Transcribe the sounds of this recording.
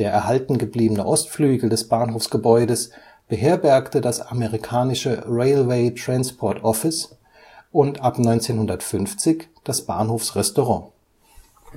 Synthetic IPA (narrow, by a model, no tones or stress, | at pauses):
d̥eːɐʔɛɐhaltn̩ɡəbliːbənəʔɔstflyːɡl̩dɛsb̥aːnɦoːfsɡ̥əbɔʏdəs | b̥əɦeːɐbɛɐktədasaməʁikʰaːnɪʃəʁeɪlweɪtʁ̥anspʰɔɐtʰɔfɪs | ʔʊntapnɔʏnt͡seːnhʊndɐtfʏnft͡sɪçd̥asb̥a̰ːnhoːfsʁɛstoʁɑ̃ː